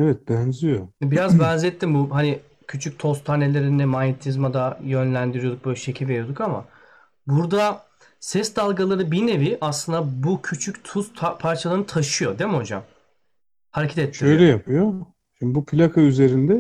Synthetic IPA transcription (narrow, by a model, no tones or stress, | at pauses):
ɛvɛt̪̚bænzijobiɾazbænzɛt̪ʰːimbuɦani | cʰyt͡ʃʰyc̚t̪ʰo̞st̪ʰane̞lʲe̞ɾinɛmanet̪ʰizmad̪ajø̞nlʲænd̪iɾijod̪uk̚bøjlʲɛʃe̞cʰilʲveɾijo̞d̪ukama̰ | buɾd̪a | sɛsd̪alˠɡalˠaɾɯbine̞viʔaslˠɯnd̪abucʰyt͡ʃʰyct̪ʰusʰpʰaɾt͡ʃʰalˠaɾnɯt̪ʰaʃɯjo̞d̪emiho̞d͡ʒa̰m | haɾecʰt̪et̪ʰːlʲːiøjlʲɛjapʰɯjo | imbupʰilʲakʰayze̞ɾind̪ɛ